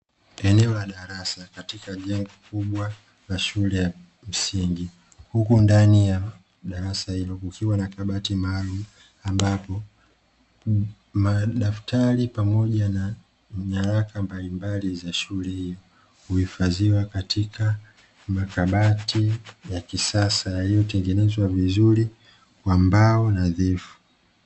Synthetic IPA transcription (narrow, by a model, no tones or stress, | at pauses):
ɛnɛɔlaɗaɾasakatikaʄɛŋɡɔkuɓwa | laʃulɛja | m̩siŋɡi | hukundanija | ɗaɾasahilɔkukʰiwanakaɓatimaːlumu | ambapɔ | maɗaftaɾipamɔʄana | ɲaɾakambalimbalizaʃulɛhijɔ | huhifaziwakatikʰa | makaɓatijakisasajalijɔtɛŋɡɛnɛzwavizuɾi | kwambaɔnaðɛfu̥